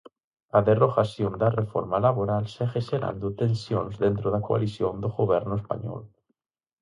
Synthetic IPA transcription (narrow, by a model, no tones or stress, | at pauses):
aðeroɣasjõnd̪arefo̰ɾmalaβoɾalsexeseɾa̰nd̪ot̪ẽnsjõ̰nzðent̪ɾoðakoa̰lisjõnd̪oɣoβɛɾnoespa̰ɲɔ̰l